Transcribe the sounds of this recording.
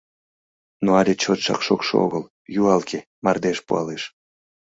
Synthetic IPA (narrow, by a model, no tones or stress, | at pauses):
noɑlʲet͡ɕot̪ʃɑ̰kʃokʃoo̰ɣəl | juɑlkʰe | mɑrd̪eʃpuɑleʃ